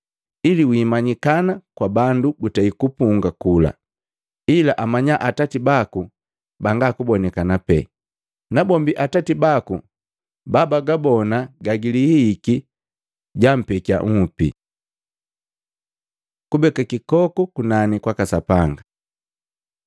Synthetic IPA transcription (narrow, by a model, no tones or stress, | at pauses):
iliwiːmaɲikanakwabandubutaikupuŋɡakula̰ | ilaʔamaɲaʔatatibaku | baŋɡakubɔnɛkanapɛ̰ | nabɔmbiʔatatibaku | babaɡabɔnaɡaɡilihiːki | ɟam̩pɛka̰ŋ̩pḭ | kubɛkakikɔkukunanikwakasapaŋɡa